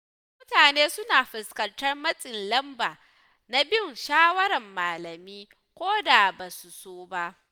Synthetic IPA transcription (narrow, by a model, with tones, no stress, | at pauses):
mʊ˦taː˨neː˦sʊ˦naː˨ɸɪ˨skɐ˨ntɐ˦rmɐ˦sʼɪ˨nlɐ˦mbaː˨ | na˦bɪ˦˨nʃaː˦wɐ˦ɾɐ˨mːaː˨lɐ˨miː˦ | kʷoː˦da˨ba˨su˨soː˦ba˦ʔ